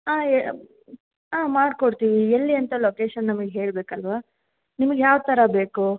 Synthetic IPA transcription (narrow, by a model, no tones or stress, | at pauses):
aːe | aːmaːɖkoɽt̪iʋielːiɐnt̪ɐloːkeːʃɐnːɐmɐɡeɦe̞ːɭbe̞ːkɐlʋaː | nimɐɡejaːʋt̪ɐɾɐbe̞ːku